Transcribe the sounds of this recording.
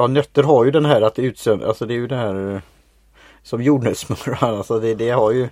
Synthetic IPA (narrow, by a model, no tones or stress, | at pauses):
ɑːnœt̪ːəɾɦaɾjɵd̪ɛnɦæːɾat̪ʉ̟ːt̪sɛna̰lsɔd̪ɛːjɵd̪ɛnhæːɾ | sɔmjuːɖɳʉsmɵmːəɾanalsɔd̪ɛd̪ɛhaɾjɵ